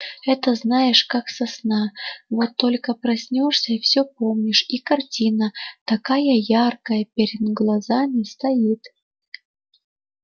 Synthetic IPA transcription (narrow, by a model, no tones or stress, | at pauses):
ɛt̪əznajɪʂkaksɐsnavot̪ːo̞lʲkəpɾɐsʲnʲoʂsʲəifsʲɵpo̞mnʲɪʂikɐrtʲinət̪ɐkajəjarkəjəpʲeɾʲɪd̪ɡlˠɐzamʲɪst̪ɐjit̪